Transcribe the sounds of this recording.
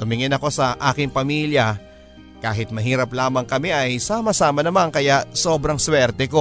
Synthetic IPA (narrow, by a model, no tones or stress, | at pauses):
t̪ʊmɪŋɪnɐko̞sɐʔaːkɪŋpɐmiːljɐ | kaːɦɪt̪̚mɐɦiːɾɐplaːmɐŋkɐmɛʔɐjsaːmɐsaːmɐnɐmaŋkɐjaʔso̞ːbɾɐŋswɛɾt̪ɛko̞